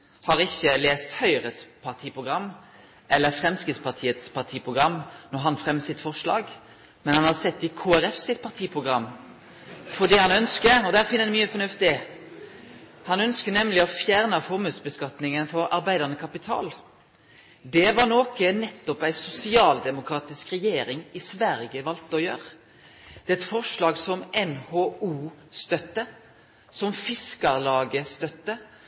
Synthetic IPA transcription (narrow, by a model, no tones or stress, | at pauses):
hɑʁɪçːəleːst̪hœʏəʁəspʰɑʁt̪ʰiːpʰʁʊɡʁɑmː | ʔɛlːəɾfʁɛmskʁɪt̪spʰɑʁt̪ʰiːət̪spʰɑʁt̪ʰiːpʰʁʊɡɾɑmːnɔʁɦɑnfʁɛmːəsɪt̪fɔʁʂlɑ̰ːɡ | mɛnhɑnhɑʁsɛt̪ːɪkʰoːæɾɛfsɪt̪̚pʰɑʁt̪ʰiːpʰʁʊɡʁɑmː | fɔd̪iːhɑnœnskəɔd̪æːʁfɪnːəd̪ɛmyːəfɔnʉft̪ɪ | hɑnœnskənɛmlɪɔfjæʁnəfɔʁmʉːt̪sbəskɑt̪nɪŋənfɔɾɑɾbæɪd̪əʁnəkʰɑpɪt̪ʰɑ̰ːl | d̪ɛʋɑʁnoːkənɛt̪ːɔpæɪsʊsɪɑːld̪ɛmʊkʰɾɑːt̪ɪskʁɛjeːɾɪŋɪsʋæɾɡəʋɑlt̪əɔjø̰ːʁ | d̪̥ɛɛt̪fɔʁʂlɑːɡsɔmʔɛnhoːuːst̪œt̪ːə | sɔmfɪskəʁlɑːɡəst̪œt̪ːə